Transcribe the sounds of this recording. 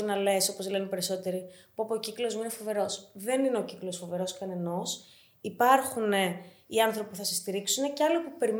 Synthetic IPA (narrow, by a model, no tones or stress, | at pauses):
nɐle̞so̞po̞zle̞nepe̞ɾiso̞t̪e̞ɾipuɐpociklo̞zminefo̞ve̞ɾo̞sðe̞nine̞o̞ciklo̞sfo̞ve̞ɾo̞skɐne̞no̞s | ipɐɾxune̞ | iɐnθɾo̞pipuθɐsest̪iɾiksune̞cɐlipupe̞ɾim